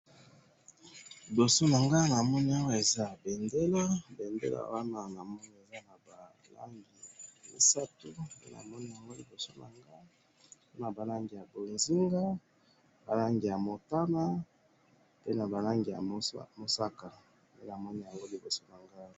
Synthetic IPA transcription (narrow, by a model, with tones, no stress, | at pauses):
li˨bo˨so˦na˨ŋɡa˦na˨mɔ˦ni˦a˦wa˦e˨za˦be˨nde˦lo˦be˨ndḛ˦lo̰˦˨a̰˨wa˦na˨na˨mɔ˦ni˨e˨za˦na˨ba˨ | la̰˦ŋɡi˨ḛ˨sa˦tu˦pḛ˦na̰˨mɔ˦ni˦ja˨ŋɡo˦li˨bo˨so˦na̰˨ŋɡa˦ | o˦na˨ba˨la˦ŋɡi˨ja˨bo˨nzi˦ŋɡa˦ | ba˨la˦ŋɡi˨ja˨mo˨ta˦na˦ | pe˦na˨ba˨la˦ŋɡi˨ja̰˨˦mo˨sa˦ka˨ | e˦na˨mɔ˦ni˦ja˨ŋɡo˦li˨bo˨so˦na˨ŋɡa˦